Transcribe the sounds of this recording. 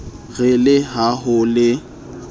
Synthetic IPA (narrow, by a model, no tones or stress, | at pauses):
ɣɪlɪɦaɦʊlɪ